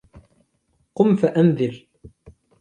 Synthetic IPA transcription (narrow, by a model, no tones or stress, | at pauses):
qʊmfaʔanðɪl